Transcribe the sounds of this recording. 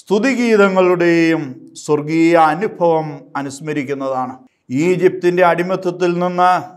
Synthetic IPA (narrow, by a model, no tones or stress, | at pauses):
st̪ʰuðiɣiːðɐŋːɐɭuɽe̞jumswɐrɡijjɐːnubʱɐʋɐmɐnuɕmɐɾikʲːunːɐðaːɳɨ | iːd͡ʑip̚t̪inde̞ɐɽimɐt̪ʰːɐt̪ːilninːɨ